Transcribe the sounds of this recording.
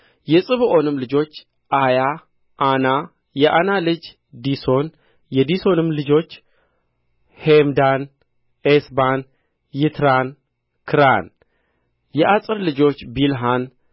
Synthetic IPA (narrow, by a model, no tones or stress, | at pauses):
jɛsʼɨβɨʔo̞nɨmlɨd͡ʒo̞t͡ʃː | ʔaja | ʔana | jɛʔanalɨd͡ʒ | d̪iso̞n | jɛd̪iso̞nɨmlɨd͡ʒo̞t͡ʃː | hemd̪an | esban | jɪt̪ʰɾan | kʰɨɾa̰n | jɛʔasʼɨɾlɨd͡ʒo̞t͡ʃːbilɦan